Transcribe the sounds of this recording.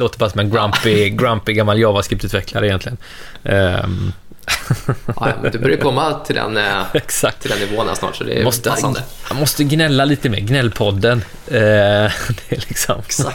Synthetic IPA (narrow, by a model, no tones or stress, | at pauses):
loːt̪əbɑːɾasɔmɛnɡɾamɪɡɾampɪɡamːaljɑːvaskɾɪpt̪ʉ̟ːt̪vɛkʰlaɾəɪjɛnt̪lɪɡən | md̪ɵbœɾjəkʰɔmːat̪ʰɪld̪ɛ̰nɛksak̚t̪ʰɪlɛnːɪvoːəna̰snɑ̰ːʈsɔd̪ɛ̰mɔst̪əəmɔst̪əɡnɛlːaliːt̪əmḛːɾɡnɛlːpʰɔd̪ːən | d̪lɪksɔm